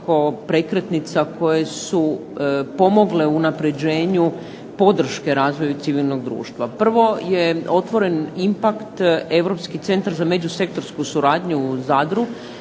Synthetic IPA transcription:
ko̞pɾe̞kɾe̞t̪nit̪sako̞je̞supo̞mo̞ɡle̞unapɾe̞d͡ʑe̞ːɲu | po̞d̪r̩ʃke̞ɾaːzʋo̞jut̪siʋilno̞ɡd̪ɾṵːʃt̪ʋapr̩ʋo̞je̞o̞t̪ʋo̞ɾe̞nimpakt̪e̞ʋɾo̞pskit̪se̞nt̪aɾzame̞d͡ʑuse̞k̚t̪o̞ɾskusuɾaːd̪ɲuzad̪ɾu

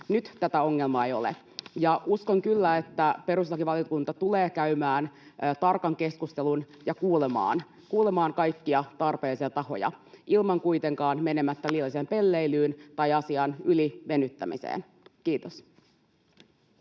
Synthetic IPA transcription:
nyt̪t̪æt̪æo̞ŋːe̞lmɑejo̞̰lḛ | jɑʔuskoŋkylːæe̞t̪ːæpeɾuslɑkiʋɑlijokunt̪ɑt̪uleːkæymæːnːt̪ɑrkɑŋke̞skust̪elun | jɑkuːlemɑ̰ːn | kuːlemɑːŋkɑjkːiɑt̪ɑrpe̞ːlisijɑt̪ɑho̞̰jɑ̰ʔilmɑŋkujt̪e̞ŋkɑːnme̞ne̞mæt̪ːæliːɑliseːmpe̞lːe̞ilyːnt̪ɑjɑsiɑnyliʋe̞nyt̪ːæ̰mḭsḛːn | kiːt̪os

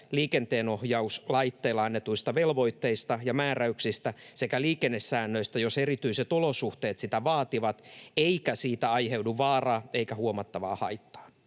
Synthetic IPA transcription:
liːkent̪eːnohjɑuslɑit̪ːeːlːɑɑnːet̪uist̪ɑʋelʋo̞it̪ːeist̪ɑjɑmæːræyksist̪æse̞kæliːkenːesːæːnːøist̪æjoserit̪yiset̪olosuht̪eːt̪sit̪æʋɑːt̪iʋɑt̪eikæsiːt̪æɑjhewduʋɑːrɑːeikæhuomɑt̪ːɑʋɑ̰ːhɑit̪ːɑ̥ː

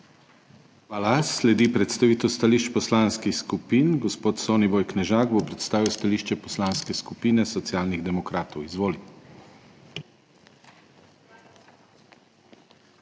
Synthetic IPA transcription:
xʋaːlaslɛd̪ipɾɛt̪st̪aʋiːt̪ɛwst̪aliʃt͡ʃpɔslanskixskupiːnɡɔspoːt̪soːnibɔːjknɛʒaːɡbopɾɛt̪st̪aːʋiwst̪aliːʃt͡ʃɛpɔslanskɛskupiːnɛsɔt̪sijaːlniɣd̪ɛmɔkɾaːt̪ɔwizʋoːli

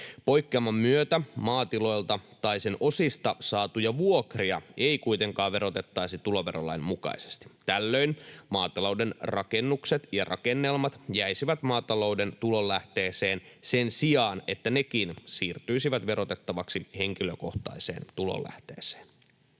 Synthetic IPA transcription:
po̞jkːeɑmːɑmːyøt̪æmɑːt̪ilo̞jlt̪ɑt̪ɑjsenʔo̞sist̪ɑsɑːt̪ujɑʋuokriɑe̞ikuit̪e̞ŋkɑːʋe̞ɾo̞t̪e̞t̪ːɑjsit̪ulo̞ʋe̞ro̰lːɑ̰jmmukɑ̰ise̥st̪i̥t̪ælːø̞inmɑːt̪ɑlo̞wde̞nrɑke̞nːukset̪jɑrʔɑ̰kenːelmɑt̪jæjsiʋæt̪mɑːt̪ɑlo̞wde̞nt̪ulo̞lːæht̪e̞ːseːnsensiɑːne̞t̪ːæne̞k̟insiːrt̪yisiʋæt̪ʋe̞ɾo̞t̪e̞t̪ːɑʋɑksihe̞ŋkiløko̞̰ht̪ɑ̰isḛːnt̪ulo̰lʔæ̰ht̪ḛːse̥ːn

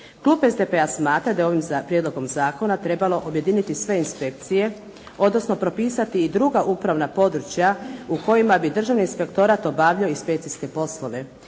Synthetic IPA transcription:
klˠuːpe̞zd̪epe̞asmaːt̪ɾad̪ajeo̞ʋimpɾje̞d̪lo̞ɡo̞mzaːko̞nat̪ɾe̞balˠo̞ʔobje̞d̪init̪isʋe̞inspe̞k̚t̪sije̞ | o̞d̪no̞sno̞pɾo̞piːsat̪iːd̪ɾuɡaʔupɾaʋnapo̞d̪ɾut͡ʃjauko̞jimabid̪r̩ʒaʋniːnspe̞kt̪o̞ɾat̪o̞baʋʎaoispejt̪siske̞po̞slo̞ʋe̞

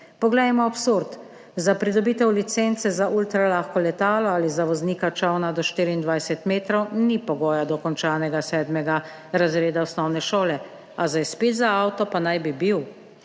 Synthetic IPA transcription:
pɔɡlɛjmɔapsuɾt̪ | zapɾid̪ɔbiːt̪ɛwlit̪sɛnt̪sɛzaʔult̪ɾalaxkɔlɛt̪aːlɔalizaʋɔzniːkat͡ʃawnad̪ɔʃt̪iːɾiːnd̪ʋajsɛt̪meːt̪ɾɔwnipɔɡɔːjad̪ɔkɔnt͡ʃaːnɛɡasɛːd̪mɛɡa | ɾazɾeːd̪aɔsnɔwnɛʃoːlɛ | azajspeːt̪zaawt̪ɔpanajbibiw

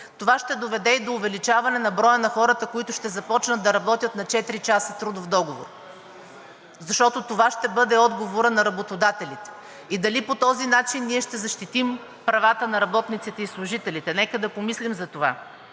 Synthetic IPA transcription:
t̪ovaʃt̪ɛd̪ovɛd̪ɛid̪oːvɛlit͡ʃavɐnɛnɐbɾɔjənɐxɔɾət̪əkoit̪ʊʃt̪ɛzɐpɔt͡ʃnəd̪d̪ɐɾɐbɔt̪ʲjət̪nɐt͡ʃɛt̪ɾit͡ʃasət̪ɾud̪ʊfd̪ɔɡovo̰ɾ | zɐʃt̪ɔt̪ot̪ovaʃt̪ɛbɤd̪ɛɔd̪ɡovoɾənɐɾɐbot̪od̪at̪ɛlit̪ɛ̥ | id̪ɐlipot̪ɔzinat͡ʃinːiɛʃt̪ɛzɐʃt̪it̪im | pɾɐvat̪ənɐɾɐbɔt̪nit̪sit̪ɛislˠʊʒit̪ɛlit̪ɛnɛkəd̪ɐpomislimzɐt̪ova

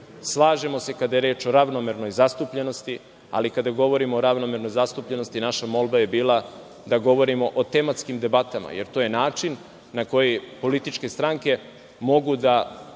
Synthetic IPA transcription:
slˠaːʒe̞mo̞se̞kad̪ajeɾeːt͡ʃo̞ɾaʋnome̞ɾno̞jzast̪upʎe̞no̞st̪i | a̰likad̪aɡo̞ʋo̞ɾimoːɾaʋno̞me̞ɾno̞jzast̪upʎe̞no̞st̪inaʃamo̞lˠbaje̞biːlˠa | d̪aɡo̞ʋo̞ɾimo̞ʔot̪e̞mat̪skimd̪e̞bat̪ama̰jeɾt̪oːjenaːt͡ʃinː | ako̞jipo̞lit̪it͡ʃke̞st̪ɾaŋke̞ | mo̞ɡud̪a

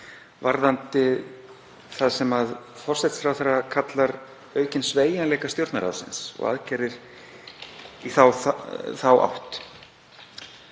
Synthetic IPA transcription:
vaɾðant̪ɪ | θaðsɛmaðfɔr̥sɛt̪sfɾawθaɾːakʰat̪laɾ | œːɥcɪnsveːjanlɛːkast̪jowɾt̪naɾa̰ðsɪ̰nsɔ̰ɣa̰ðcɛːɾɪɾ̥ | iθawθawʔa̰wht̪

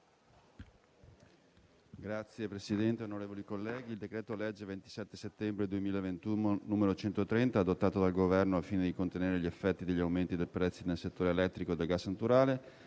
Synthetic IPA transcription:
ɡɾat̪sːjepɾesid̪ɛnt̪eonoɾeːvolikolːɛːɡiːld̪ekɾɛːt̪olɛd͡ʒːevent̪i̥sɛt̪ːeset̪ːɛmbɾed̪uemiːlaevent̪unonuːmeɾot͡ʃɛnt̪ot̪ɾɛnt̪aːd̪ot̪ːaːt̪od̪alɡovɛrnoafːiːned̪ikont̪eneːɾeʎiefːɛt̪ːid̪eʎːiawment̪id̪elpɾɛt̪sːinelset̪ːoːɾeelɛt̪ːɾikoed̪elɡasːnat̪uɾaːle

